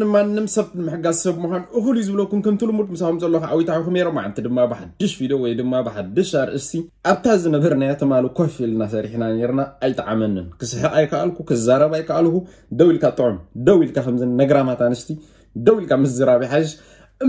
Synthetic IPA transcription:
ɨmanːɨmsɐβmɨħɨɡazsɐβmuxʷanʔɨxlujzɨβlokːumkɐmt̪ʰɨlumut̪mɨsakumzɐlːɐxaʔawit̪ʰaħikumneɾomːʕa̰nt̪ʰid̪ɨmːabɨħad̪ːɨʃfid̪owɔjd̪ɨmːabɨħad̪ːɨʃaɾʔɨst̪ʰiʔaβt̪ʰazɨnɐbɐɾnajat̪ʰɨmalukʰofilnasɐɾiħnane̞ɾnaːjt̪ʼʕa̰mɐnɨnkʰɨsɨħɨɾʼajkʰaʔalkukʰɨzaɾɐβajkaʔalku | d̪ɐwilkʰat̪ʼɨʕumd̪ɐwilkʰakɐmzɨnːɐɡɾamat̪ʰanɨst̪ʰi | d̪ɐwilkʰamɐzɨɾaβiħaʃ | ɨ

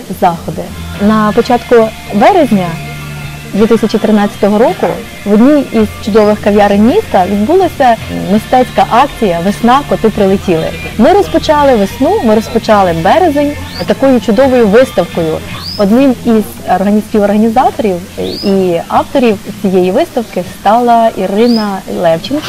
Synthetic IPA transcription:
zɑxɔd̪ɪnɐpɔt͡ʃɑt̪kʊ | ʋɛɾezʲnʲɐ | d̪ʋʲit̪ɪsʲɐt͡ʃit̪ɾɪnɑt͡sʲːɐ̥t̪ɔɦɔɾɔkʊ | ʋɔd̪ʲnʲiizt͡ʃʊd̪ɔʋɪxkɐʋʲjɑɾɪnmʲist̪ɐʋʲid̪bulˠɔsʲɐmʲist̪ɛt͡sʲkɐʔɑkt͡sʲijɐʋɪsnɑkɔt̪ɪpɾɪlˠɪtʲilˠɪ̰mɪɾɔspɔt͡ʃɑlˠɪʋɪsnumɪɾɔspɔt͡ʃɑlˠɪbɛɾezenʲ | t̪ɐkɔjʊt͡ʃʊd̪ɔʋɔjʊʋɪst̪ɐwkɔjʊɔd̪nɪmizɔrɦɐnʲisʲpʲiʋɔrɦɐnʲizɑt̪ɔɾʲiwiɑwt̪ɔɾʲiwt͡sʲijɛjiʋɪst̪ɐwkɪst̪ɑlˠɐʔirɪnɐlˠɛwt͡ʃɪnkɐ

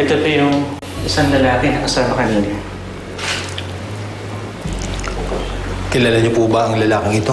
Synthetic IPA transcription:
ʔɛt̪ot̪ojʊŋ | ʔɪsaŋlɐlaːkɪnɐkɐsaːmɐkɐniːɲa | kɪlaːlaɲopubɐʔɐŋlɐlaːkɪŋɪt̪o

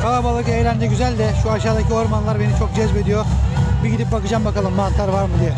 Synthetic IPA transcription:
kʰalˠabalˠɯkɯejlʲænd͡ʒ̪ɛɟyzælʲd̪ɛʃuaʃ̬aːd̪acʰio̞ɾmanlˠaɾbe̞nit͡ʃʰo̞k̚d͡ʒɛzbe̞d̪ijo̞biɟid̪ip̚bakɯd͡ʒambakalˠɯmːant̪lˠaɾvaɾmɯd̪ijɛ

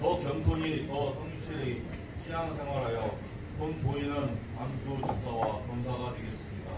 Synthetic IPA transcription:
kʌkjʌntʰuɲitʌsʰoŋɕʰiɾi | ɕʰiansʰe̞ŋɦwaɾɦajʌ | pɯnpoinɯn | anɡut͡ɕus͈ʰawakʌnsʰaɡadwe̞ɡe̞ts͈ɯmɲida

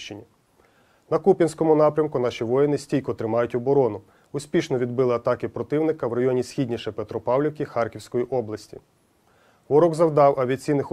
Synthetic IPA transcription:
t͡ʃɪnʲi | nɐkupʲinsʲkɔmʊnɑpɾʲɐmkʊn̪ɑʃʲiʋɔjɪnɪsʲtʲijʲkɔt̪ɾɪmɑjʊtʲɔbɔɾɔnʊ | ʊsʲpʲiʃnɔʋʲid̪bɪlˠɪɐt̪ɑkɪpɾɔt̪ɪwnɪkɐwrɐjɔnʲisʲxʲidʲnʲiʃɛpet̪ɾɔpɑwlʲɪwkʲixɑrkʲiwsʲkɔjiʔɔblˠɐsʲtʲḭ | ʋɔɾɔɡzɐwd̪ɑwʔɐʋʲiɐt͡sʲijnɪx

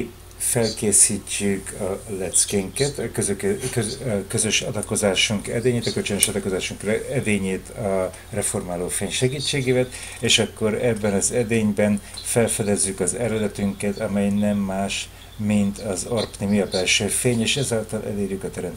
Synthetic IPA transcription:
fɛlkeːsiːt͡ʃːykʰɒlɛt̪skeːŋkɛt̪køzkkøzø̞ʃɒd̪ɒko̞zaːʃuŋkɛ̰d̪eːɲeːt̪ɒkølt͡ʃønøʃɒd̪ɒko̞zaːʃuŋkrɛd̪eːɲeːt̪ʰɒ | rɛfo̞rmaːloːfeːɲʃɛɡiːt͡ʃːeːɡeːvɛt̪ | eːʃɒkːo̞ɾɛbːɛnɒzɛd̪eːɲbɛnfɛlfɛd̪ɛzːykɒzɛɾɛd̪ɛt̪yŋkɛt̪ɒmɛjnɛmːaːʃ | mint̪ʰɒzorpnimiɒbɛlʃøːfeːɲeːʃɛzaːlt̪ɒlʔɛ̰leːrjykɒt̪ɛɾɛmt̪

